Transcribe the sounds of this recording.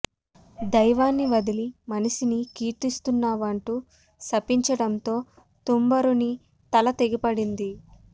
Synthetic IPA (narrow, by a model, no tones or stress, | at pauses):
d̪ɐjʋaːnːiʋɐd̪ilimɐnɐʃinikiːʈːist̪unːaːʋɐɳʈu | sɐpiɲt͡ʃɐɽɐnt̪o̞ː | t̪umbɐɾuni | t̪ɐlɐt̪eɡipɐɽind̪i